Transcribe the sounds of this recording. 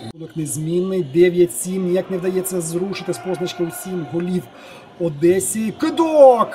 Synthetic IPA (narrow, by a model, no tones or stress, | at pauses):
unɔknezʲmʲinːɪjd̪ɛʋʲjɐtʲsʲimjɐknɛwd̪ɐjɛt͡sʲːɐzɾuʃɪt̪ɪspɔznɐt͡ʃkɐʊsʲimɦɔlʲiw | ɔd̪ɛsʲikɪd̪ɔk